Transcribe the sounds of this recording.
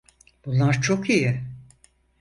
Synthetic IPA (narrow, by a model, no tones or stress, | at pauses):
b̥unlˠːaɾt͡ʃʰokijɪ